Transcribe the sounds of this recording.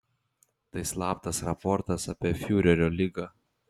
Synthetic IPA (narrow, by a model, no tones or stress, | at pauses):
t̪ɐɪslˠɑːpt̪ɐsɾɐpɔɾt̪ɐsɑpʲiɛfʲuːɾʲɛɾʲoːlʲɪɡɐ